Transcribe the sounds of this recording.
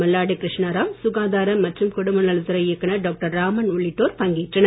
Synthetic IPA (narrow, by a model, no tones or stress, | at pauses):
mɐlːaːɽikɾɪʂɳaɾaːmsʊɣaːðaːɾɐmːɐʈrɯmkʊɽʊmɐnɐɭɯt̪ːɯɾɐjɪɛkːɐnɐɖoːk̚ʈɐɾːaːmɐnʊɭːɪʈːoːɾpɐŋɡiːʈrɐnɐ